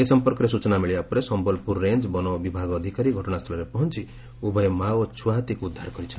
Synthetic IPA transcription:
esɔmpɔɾkɔɾesut͡ʃɔnamiɭiapɔɾesɔmbɔlpuɾːend͡ʒbɔnɔbibʱaɡːd̪ʱikaɾiɡʱɔʈɔɽ̃ast̪ʰɔlɔɾepɔɦɔnt͡ʃi | ubʱɔjmawt͡ʃʰuaɦt̪ikuːd̪ʱːaɾkɔɾit͡ʃʰɔn

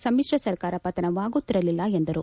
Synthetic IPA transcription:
sɐmːiʂɾɐsɐɾkaːɾɐpːɐt̪ɐnɐʋaːɡut̪ːiɾɐlilːɐend̪ɐɾu

